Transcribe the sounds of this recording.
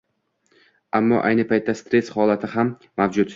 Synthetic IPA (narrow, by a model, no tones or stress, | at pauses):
amːɒ̰ʔa̰jnɪpʰajt̪ʰːast̪ɾe̞shɒlat̪ʰɪɦamː | awd͡ʒʊt̪